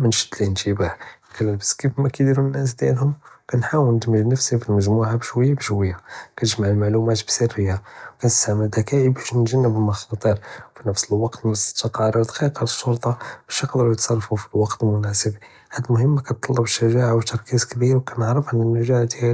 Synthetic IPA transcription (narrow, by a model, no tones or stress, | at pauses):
mənʃə̥d̪linʒibakælːæbæskifmækæd̪iɾunːæs̬d̪jælhʊmkænħawəlnəd̪məʒnəfsifilməʒmuʕabʃwəjːabəʃwəjːakæt̪əʒmaʕəlmaʕlumæt̪bsərːəjːawkænəst̪aʕməld̪ækæʕibæʃnəʒænːəbəmɑxɑt̪ˤəɾwfinəfsəlwɑqt̪mst̪ːɑqɑɾˤəɾd̪ɑqiqɑləʃːuɾt̪ˤɑb̥æʃjəqd̪əɾujət̪sˤɑrˤfufi̥lwɑqt̪lmʊnæsəb | ħad̪ːmʊhəmːkænt̪ˤːɑlːɑbʃːæʒaʕawt̪ɑɾˤkizkbiɾwkænəʕɾˤəfʕanːənːæʒaʕd̪æ